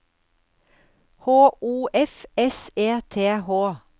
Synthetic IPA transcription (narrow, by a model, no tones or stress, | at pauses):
hoːʔuːʔɛfɛseːt̪ʰeːhoː